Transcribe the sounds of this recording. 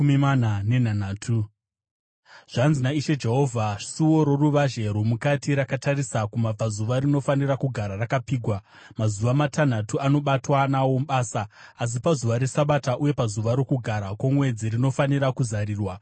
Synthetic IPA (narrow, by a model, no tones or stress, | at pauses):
mimananenanaːtʰu | ʐ̥anzinaiʃe̞d͡ʒe̞ɦo̞vʱḁsiwoɾo̞ruʋaʒe̞ɾumukatiɾakatarisakumab͡vazuʋarino̞fanirakuɡʱaɾarakapiːɡʱwa | mazuʋamatʰan̤atuano̞ɓatwanawo̞mɓaːsaːs̬ipazuʋaɾe̞saɓataʔuje̞pazuʋaɾo̞kuɡʱaɾakwomwe̞d͡zirino̞faniɾakuzaɾiːrwa